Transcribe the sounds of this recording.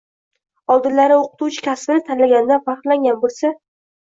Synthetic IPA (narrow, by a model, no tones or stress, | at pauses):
ɒlˠd̪ɪnlaɾɪoqɨ̥t̪uwt͡ʃʰɪ̥kʲʰasbɪnɪt̪ʰanlaɡʲanɪd̪anfɑχt̪laŋɡʲanbolˠsa